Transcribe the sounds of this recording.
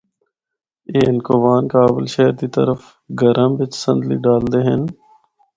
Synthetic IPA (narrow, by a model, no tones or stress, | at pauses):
eːɪnkoːʋaːnkaːbɪlʃɛɦɾd̪iːt̪ə̰ɾəf | ɡəɾəmʋɪt͡ʃsə̃nd̪lḭːɖaːld̪eːɦən